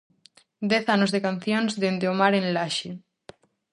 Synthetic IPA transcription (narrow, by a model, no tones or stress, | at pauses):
d̪ɛθanozðekan̟θjonzðend̪eomaɾẽnlaʃe